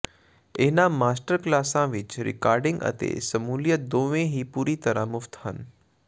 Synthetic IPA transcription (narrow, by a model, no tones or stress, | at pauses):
eːnãmaːsʈəɾklaːsãʋɪt͡ʃɾɪ̰kaːɾɖɪ̃ŋɡə̰t̪ḛsɐmuːljət̪̚d̪oːʋẽɦiːpuːɾit̪əɾãmʊft̪ɦən